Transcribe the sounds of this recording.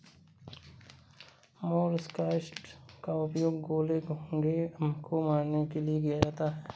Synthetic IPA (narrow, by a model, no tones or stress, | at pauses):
moːɾɪskaːɪsʈkaʊpjoːɡɡoːleɡoɡekomaːnnekelieɡijad͡ʒaːt̪aɦɛː